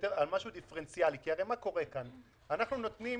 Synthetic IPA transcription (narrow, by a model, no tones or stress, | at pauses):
t̪eʁalmaʃud̪ifeʁent͡sjalikiaʁe̞jmako̞ʁe̞kan | anaχnuno̞t̪ni